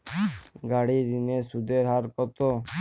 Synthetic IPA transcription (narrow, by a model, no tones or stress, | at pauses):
ɡaːɽid̪inesud̪eɾɦaɾkɔt̪oː